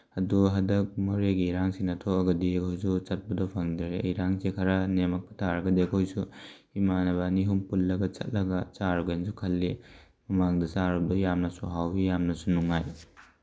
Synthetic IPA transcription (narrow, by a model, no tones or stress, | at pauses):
ɐduɦɐdɐk̚mɔɾeɡiɾaŋsinɐtʰokɐɡɐdiɐkʰɔjs̬ut͡ʃɐt̚bɐdɔpʰɐŋdɾejɾaŋsekʰaɾanemɐk̚pɐ̥tʰaɾɐɡɐdiɐkʰojsu | imanɐbɐːniɦumpullɐɡɐt͡ʃɐ̰t̚lɐɡɐt͡ʃaɾɡensukʰɐlːi | mɐmaŋdɐsaɾub̚dɔjamnɐsuɦawbijamnɐsunuŋaj